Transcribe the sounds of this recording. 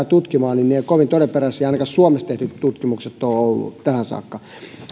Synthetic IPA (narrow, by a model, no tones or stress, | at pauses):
t̪ut̪kimɑːninneːokoʋint̪oɾepperæsiɑinɑkɑssuomest̪eht̪yt̪tut̪kimukset̪ːoolːṵt̪æhænsɑ̰ːkːɑ